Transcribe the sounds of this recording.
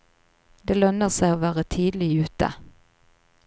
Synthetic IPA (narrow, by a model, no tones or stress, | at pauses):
d̪eːlœnəʁsæɪoːʋæːʁət̪ʰiːd̪lɪʉːt̪ə̰